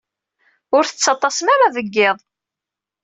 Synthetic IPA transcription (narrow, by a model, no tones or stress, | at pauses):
ʊɾθə̥t͡sːɑt̪ˤːɑsəmæɾaðəɡːɪðˤ